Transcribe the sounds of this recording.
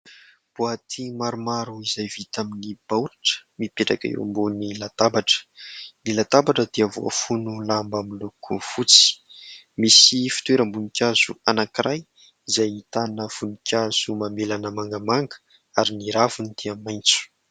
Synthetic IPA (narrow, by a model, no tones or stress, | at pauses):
b̥uat̪ʰimaɾumaɾuizajvit̪aminib̥awɾaʈ͡ʂə̥mipeʈ͡ʂakə̰ḛwmbonilat̪abaʈ͡ʂə̥nilat̪abaʈ͡ʂəd̪eavoa̰funulambamilukʰufut͡si̥ | misifi̥t̪weɾəmbunikʲaz̥uanakiɾʔaj | izajit̪anəv̥unikʲʰaz̥umamelanəmaŋɡəmaŋɡə̥ | aɾiniɾavunit̪eamajnt͡su̥